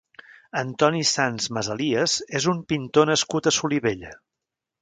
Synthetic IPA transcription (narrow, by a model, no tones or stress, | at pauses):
ənt̪ɔnisanzməzəliəzezumpint̪onəskut̪əsuliβeʎə